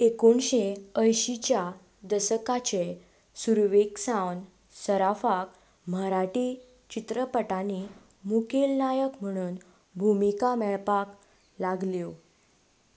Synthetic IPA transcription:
ekoɳɕeəjɕit͡ɕja | d̪əsəkat͡ɕe | suɾʋeksãwn | səɾafak | m̤əɾaʈi | t͡ɕit̪ɾəpəʈani | mukʰelnajəkm̤əɽ̃uːn | bʱumikamɛɭpak | laɡljo

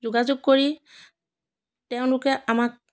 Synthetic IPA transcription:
zʊɡazoɡ̚koɹi | tɛʊ̃nlʊkɛʔamak̚

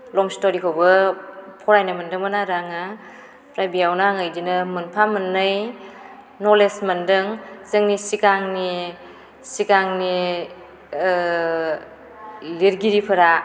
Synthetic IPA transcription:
lɔŋstoɾikʰawbɯpʰɔɾajnamɯndɯŋmɯnaɾaŋa | ɾajbiawnaŋajdinɯmɯnpʰamɯnːɯj | nɔlesmɯndɯŋzɯŋnisikaŋni | sikaŋni | liɾɡiɾipʰɯɾa

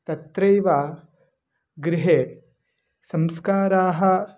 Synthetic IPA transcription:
t̪ɐt̪ɾɐjʋaː | ɡɾɪɦeː | sɐmskaːɾaːɦɐ

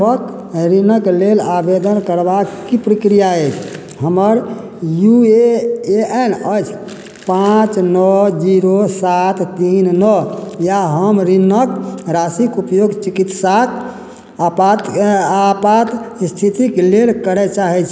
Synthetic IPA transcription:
ək | ɾinəklelabed̪ənkəɾbakːipɾəkɾijaɛt͡ʃʰ | ɦəməɾ | jueeɛnət͡ʃʰ | pãt͡ʃnɔd͡ʒiɾosat̪ʰt̪ːinnɔjaɦəmɾinəkɾasikupjoɡt͡ʃikit̪sak | pat̪apat̪st̪ʰit̪iklelkəɾɛt͡ʃaɦɛt͡ʃʰ

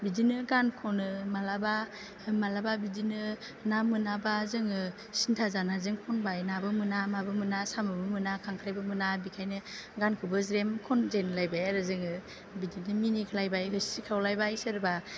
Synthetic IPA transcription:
bidinɯɡankʰɔnɯmalaba | malababidinɯ | namɯnabazɯŋɯ | sintʰazanazɯŋkʰɔnbajnabɯmɯnamabɯmɯnasamɯbɯmɯnakʰaŋkʰɾajbɯmɯnabikʰajnɯɡankʰɯbɯzɾemkʰɔnzenlajbajaɾɯzɯŋɯ | bidinɯminikʰlajbajɦɯsikʰawlajbajsɯɾba

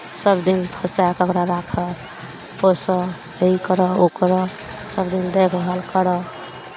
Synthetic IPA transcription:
səbd̪inpʰəsakəkɾaɾakʰə | posə | əikəɾəokɾɔ | səbd̪ind̪ekʰɦəlkəɾɔ

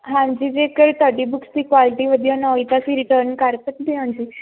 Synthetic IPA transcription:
ɦãmd͡ʑiːd͡zekəɾt̪əʈibukst̪ikʋaliʈiʋəd̪jənəit̪asiɾiʈəɾnkaɾt̪ət̪d̪iɦãmd͡ʑi

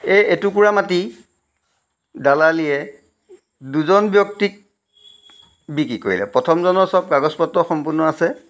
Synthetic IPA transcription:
ɛetuk̬uɹamati | dalaliɛ | duzɔnbjɔk̚tik̚ | bik̬iko̰ɹḭlɛ̰pɹɔtʰɔmzɔnɔsɔb̚ɡaɡɔspɔtːɔxɔmpʊnɔasɛ

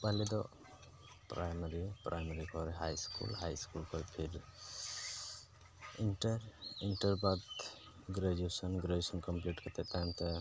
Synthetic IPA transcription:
paɦled̪ɔ | pɾajmaɾipɾʔajmaɾikʰɔɾɦajskṵlɦajskulkʰɔjpʰiɾ | inʈɾinʈɔɾbat̪ | ɡɾad͡ʒesɔnɡɾed͡ʒesɔnkɔmpliʈkat̪et̪ant̪e

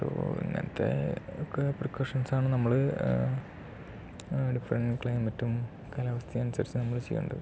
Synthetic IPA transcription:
po̰ḭŋːɐ̰nɐ̰t̪ːḛokːeprikːoʂɐnsaːɳɨnɐmːɐɭɨ | ɖifrɐnkɭɐjmɐtːum | kɐlɐʋɐst̪ʰjɐɐnusɐɾit͡ɕːɨnɐmːɐɭt͡ɕejːṵɳɖɐɨ

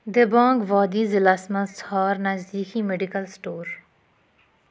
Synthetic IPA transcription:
d̪ebãːŋɡʋaːd̪iːzɪlasməshaːɾnɐzd̪iːximeɖɪkəlsʈoːɾ

